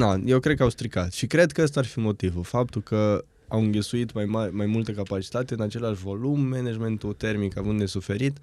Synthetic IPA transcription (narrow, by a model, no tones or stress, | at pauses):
aje̞wkɾed̪̚kəawst̪ɾikat̪ʃikɾe̞d̪kəəst̪aarfimo̞t̪ivulfap̚t̪ulkə | awɨŋɡʲisuit̪majmarʲmajmult̪əkapat͡ʃi̥t̪at̪e̞ɨnat͡ʃe̞leaʃvo̞lumːened͡ʒme̞nt̪ut̪e̞rmikavɨnd̪d̪e̞sufe̞ɾit̪